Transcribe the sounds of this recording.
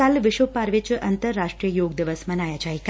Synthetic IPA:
alʋɪʃʋopaːɾʋit͡ʃʔɐnt̪əɾːaːʂʈɾijəjoːɡ̚d̪iʋəsmɐnaːjat͡ʃaːik

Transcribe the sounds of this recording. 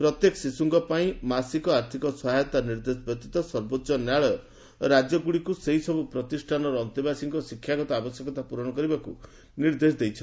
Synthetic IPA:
pɾɔt̪jekɔsisuŋɡɔpaĩmasikɔaɾt̪ʰikɔsɔɦajɔt̪aniɾd̪esɔbjɔk̚t̪it̪ɔsɔɾbotːʃɔnjaɭɔjɔ | ɾad͡ʒjɔɡuɽikuseɦisɔbupɾɔt̪isʈʰanɔɾɔːnt̪ibasiŋkɔsikʰːjaɡɔt̪ɔabɔsjekɔt̪apuɾɔɽ̃ɔkɔɾibakṵ | niɾd̪esd̪ejt͡ʃʰɔ

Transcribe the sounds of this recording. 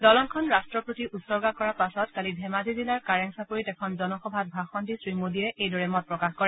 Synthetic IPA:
dɔlɔnkʰɔnɹastɹɔpɹotiʔutsɔɹɡakɔɹapasɔtkalibʱɛmazʱizilaɹkaɹaŋsakoɹitɛkʰɔnzɔnɔxɔbʱat̚bʱaxɔndisɹimodiɛejdɔɹɛmɔt̚pɹɔkaxkɔɹɛ

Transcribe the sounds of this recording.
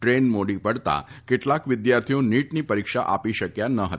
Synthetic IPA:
ʈɾenmoɽipəɽt̪a̰kɪʈlakʋɪd̪jaɾt̪ʰijõniʈnipəɾikʃa̰ʔapiʃəkjanəɦə

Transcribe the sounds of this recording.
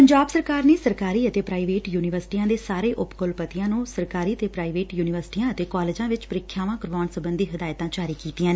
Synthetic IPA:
pəɲd͡ʒaːbsəɾkaːɾneːsəɾkaːɾiːət̪eːpɾaːiːʋeːʈjuːnɪʋəɾsɪ̥ʈiːãːd̪eːsaːɾeːʔʊpkʊlpət̪ɪjãːnũːsəɾkaːɾiːət̪eːpɾaːiʋeːʈjuːnɪʋəɾsʈiːãːət̪eːkɔːleːd͡ʒãːʋɪt͡ʃpəɾɪkʰːjaːʋãːkəɾʋaːnsəbənd̪iːɦəd̪aːjt̪ãːt͡ʃaːɾiːkiːt̪ɪjãːnː

